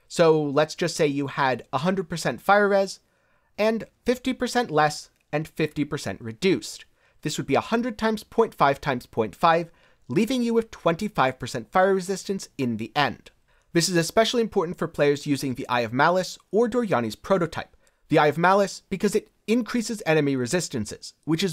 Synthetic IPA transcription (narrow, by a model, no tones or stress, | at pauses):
soʊlɨtsd̥ʒ̥ʌstseɪjɨəɾəɦʌ̃ndɹəd̚pʰə˞sɛ̃ntfaɪə˞ɹɛz | ɨ̃nfɪftipə˞sɛ̃nʔlɛs | ɨ̃nfɪftipə˞sɛ̰̃nʔɹɨdʉs | ðɪswɨd̚biəhʌ̃ndɹɨd̚tʰãɪ̃mz̥pʰɔ̃ɪ̃ntfaɪv̥tʰãɪ̃mz̥pʰɔ̃ɪ̃ntfaɪv | livɪ̃ŋjɨwɨð̥tʰw̥ɛ̃ntifaɪv̥pʰə˞sɛ̃ntfaɪə˞ɹɨzɪstɨ̃nsɨ̃nðiʔɛ̃nd̥ | ðɪsɨzɨspɛʃl̩ˠiɨ̃mpʰɔɹʔn̩tfə˞pʰl̥eɪə˞zjʉzɪ̃ŋðiʔa̰ɪʌvmælˠəsə˞dɔɹjɑñiz̥pʰɹ̥oʊɾoʊtʰa̰ɪp̚ | ðiaɪʌvmælˠɨsb̥ɨkʰʌzɨɾ | ɨ̃nkʰɹ̥isɨzɛnɨmiɹɨzɪstɨ̃nsɨ̰z̥wɨt͡ʃɨz